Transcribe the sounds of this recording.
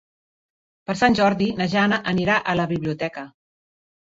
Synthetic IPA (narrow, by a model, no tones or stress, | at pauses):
pəɾsanʲʒɔɾðinəʒanəʔəniɾaʔələβiβliut̪ɛkə